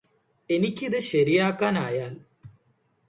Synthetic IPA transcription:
e̞nikʲːiðɨɕɐɾijaːkːaːnaːjaːl

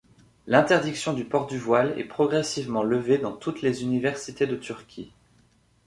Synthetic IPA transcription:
lɛ̃t̪ɛʁd̪iksjɔ̃d̪ypɔʁd̪yvwalɛ̰pχɔɡʁɛsivmɑ̃ləved̪ɑ̃t̪ut̪lezynivɛʁsit̪ed̪ət̪yʁkʲʰi

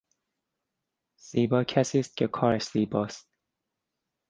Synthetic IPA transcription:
z̥iːbɒːcʰæsiːst̪̚cʰekʰɒːɾæʃz̥iːbɒːst̪̚

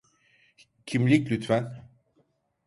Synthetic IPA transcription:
cʰimlʲiclʲyt̪ʰfæn

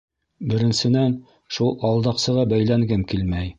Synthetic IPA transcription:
bɘ̆ɾɘ̆nsɘ̆næn | ʃulˠɑlˠd̪ɑqsɤ̆ʁɑbæjlæŋɡɘmkilmæj

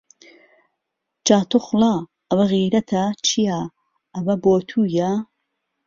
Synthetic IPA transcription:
d͡ʒaːt̪oxlaː | ʔɐwɐɣiːɾɐt̪ʰɐt͡ʃʰija | ɐmɐboːt̪ʰuːjɐ

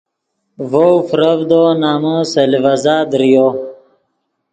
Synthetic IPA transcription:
vowfɾəvd̪onaːməsɐlivɐzaːd̪ɾijo

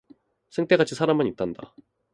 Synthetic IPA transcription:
sʰɯŋt͈e̞ɡat͡ɕʰisʰaɾamaɲit͈anda̰

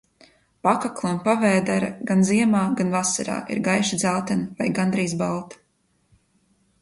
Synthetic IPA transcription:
pakaklˠanpavɛːd̪aɾaɡanziɛmaːɡanvasaɾa̰ːʔḭɾɡajʃid̪zalˠt̪ɛnvajɡand̪ɾiːzbalˠt̪

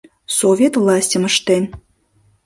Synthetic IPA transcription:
sovʲet̪vlˠɑsʲtʲəməʃt̪en

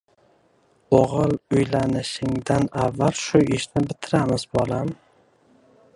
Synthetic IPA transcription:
oʁɨlˠʊjlanɪʃɪŋd̪anavːalʃʊɪʃnɪbɪt̪ʰɪɾamɪzbolˠam

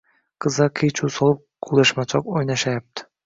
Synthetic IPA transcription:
kəzɑkʰet͡ɕusolˠɤp̚kʰulˠeʃmɑt͡ʃɑkojnɑʃɑjp̚t̪

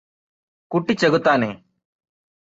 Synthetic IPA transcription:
kuʈːit͡ʃəɡut̪aːneː

